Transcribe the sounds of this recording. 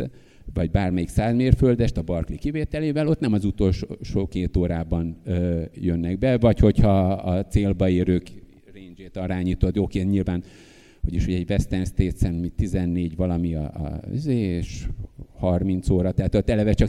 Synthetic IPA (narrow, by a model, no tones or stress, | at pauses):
vɒɟ̚baːrmɛjiksaːzmeːrføld̪ɛʃt̪ɒbɒrklikiveːt̪ɛleːvɛlo̞t̪nɛmɒzut̪o̞lʃoʃoːkeːt̪oːɾaːbɒnjønːɛɡ̚bɛvɒcho̞chɒːt̪seːlbɒeːɾøːk | reːnd͡ʒeːt̪ɒɾaːɲiːt̪ot̪joːkeːnt̪ɲilvaːn | hoɟiʃhoɟɛɟvɛst̪ɛnst̪eːt̪sɛnmit̪izɛnːeːɟvɒlɒmiɒ̰y̰zeːʃhɒrmint̪soːɾɒt̪ɛɦat̪ot̪ːɛlɛvɛt͡ʃɒk